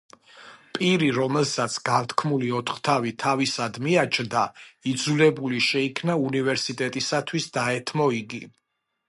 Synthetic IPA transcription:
pʼiɾiɾɔmɛlˠsat̪sʰɡant̪ʰkʰmuliɔt̪ʰχt̪ʰavit̪ʰavisad̪miat͡ʃʰnd̪aid̪zulɛbuliʃɛikʰnaunivɛɾsit̪ʼɛt̪ʼisat̪ʰwisd̪aɛt̪ʰmɔiɡi

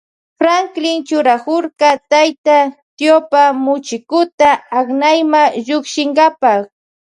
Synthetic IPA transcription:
fɾaŋklɪŋt͡ʃʊɾakʊɾkat̪ajt̪at̪jopamʊt͡ʃɪkʊt̪aaknajmaʒʊkʃɪŋɡapak

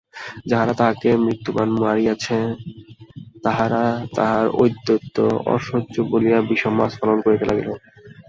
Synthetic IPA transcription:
d͡ʑaɦaɾat̪aɦakemɾit̪ːobanmuaɾiat͡ɕʰe | t̪aɦaɾat̪a̰ɦaɾo̰jd̪ːot̪ːo̰ɔ̰ʃoʑobolijabiʃɔmasfalonkoɾet̪elʔa̰ɡḛlo

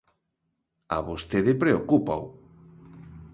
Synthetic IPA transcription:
a̰βost̪eðɪpɾeokupaw

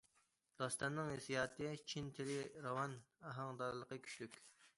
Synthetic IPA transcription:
d̪̥ɑst̪ɑnːɨŋesijɑːt̪ʰɨt͡ʃʰint̪ʰɪɾɪɾɑwɑnɑɦɑŋd̪ɑɾlˠəqəkʲʰy̥ʃʲlykʲ

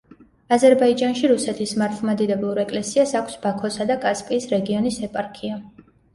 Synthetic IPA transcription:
azɛɾbaid͡ʒanʃiɾusɛt̪ʰismaɾt̪ʰlˠmad̪id̪ɛblˠuɾɛkʼlɛsiasakʷʰsb̥akʰɔsad̪akʼaspʼiːsɾɛɡiɔnisɛpʼaɾkʰia

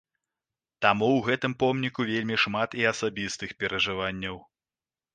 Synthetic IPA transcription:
t̪amuwɣɛt̪ɨmpɔmnʲikuvʲelʲmʲiʂmat̪iɐsabʲist̪ɨxpʲɛɾɐʐɨvanʲːɐw

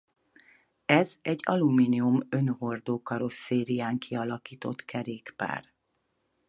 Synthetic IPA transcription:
ɛzɛɟːɒ̰lumiːniumø̞nho̞rd̪oːkɒɾo̞sːeːɾijaːŋkʰiɒlɒkiːt̪o̞̰t̪kʰɛɾeːkpa̰ːr

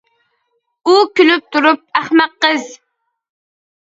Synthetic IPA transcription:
ukʲylyp̚t̪ʰuɾup̚æχmæqːəz

